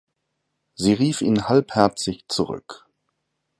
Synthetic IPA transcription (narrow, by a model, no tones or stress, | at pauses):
ziːʁiːfḭːnhalphɛɐt͡sɪçt͡suʁʏ̰k